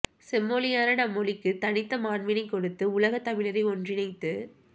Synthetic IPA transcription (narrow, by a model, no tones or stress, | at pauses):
sɛmːoːlɪjaːnɐnɐmːɔlɪkːɯt̪ɐnɪt̪ːɐmaːɳʋɪnɐɪkɔɽɯt̪ːɯʊlɐɣɐt̪ːɐmɪɭɐɾɐɪɔndrɪnɐɪt̪ːɯ